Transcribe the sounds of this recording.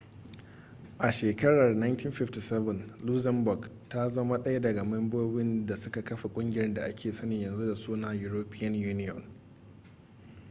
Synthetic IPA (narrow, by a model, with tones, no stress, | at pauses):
ʔa˨ʃeː˨kɐ˦ɽɐ˨rna˦jntʰiː˦nɸɪ˦fti˨sɛ˦bɛ˨nlu˦zɛ˦mbʊ˨ɡ | ta˦zɐ˦ma˦ɗɐ˦ja˦dɐ˨ɡa˨mɛ˦mboː˦bɪ˦nda˨sʊ˦ka˨kɐ˦ɸa˨kʷʼʊ˦ŋɡʲɪ˨˦ɾɛ˦nda˨ʔa˦kʲʰeː˨sɐ˦nɪ˨ɲjɐ˨nzu˦da˨suː˦naː˦ju˦ɾoː˦pɪ˦jɐ˦njuː˦nɪ˦jɔ̰˨n